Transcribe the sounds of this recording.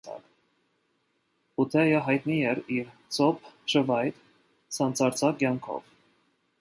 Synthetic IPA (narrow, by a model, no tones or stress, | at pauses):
ɑ̰k | ut̪ʰɛjəɦɑjt̪niɛɾiɾt͡sʰɔp̚ʰʃəvɑjt̪ | sɑnt͡sʰɑɾt͡sʰɑkjɑŋkʰɔ̰v